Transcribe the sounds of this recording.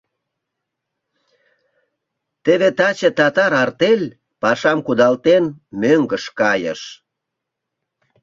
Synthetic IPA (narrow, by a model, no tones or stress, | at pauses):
t̪eβet̪ɑt͡ɕet̪ɑt̪ɑɾɑrt̪elʲ | pɑʃɑmkud̪ɑlt̪enmøŋɡəʃkɑjə̰ʃ